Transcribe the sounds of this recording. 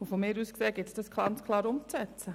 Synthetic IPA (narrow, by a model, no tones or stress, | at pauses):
ufɔmeːɾuːskseːɡɪtsd̥ɑsklɑnt͡skʰlɑːɾʊmt͡sɛt͡sə